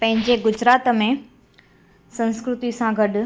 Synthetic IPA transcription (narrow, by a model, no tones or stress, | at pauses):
pɐ̃ɦɪ̃ɲd͡ʑeɡʊd͡ʑɾaːt̪mẽ | sɐ̃nskɾʊt̪isãɡɐɗ